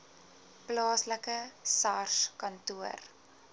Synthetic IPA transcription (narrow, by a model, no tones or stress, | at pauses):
plɑːsləkəsɐrʃkɐntuər